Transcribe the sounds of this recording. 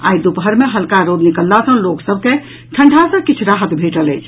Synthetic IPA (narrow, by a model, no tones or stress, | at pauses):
a̰jd̪upɦəɾmeɦəlkaɾod̪nikəlːasə̃loksəb̚ʱke | ʈʰəɳɖʱasə̃kit͡ʃʰɾaɦət̪bʱeʈələjt͡ʃʰ